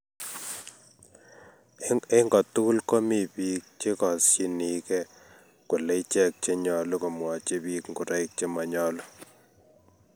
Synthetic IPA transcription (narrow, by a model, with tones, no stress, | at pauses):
e˦ŋɡɔ˨tu˦ku˦lko˦mi˨pi˦k̚t͡ʃe˦kɔ˨si˦ni˨kɛ˦ | ku˨le˦t͡ʃɛ˦k̚t͡ʃe˦ɲɔ˨lo˦ko˨mwɔ˨t͡ʃe˦pi˦kŋɡu˨ɾɛ˦ɪk̚t͡ʃe˦ma˨ɲɔ˦lɔ˦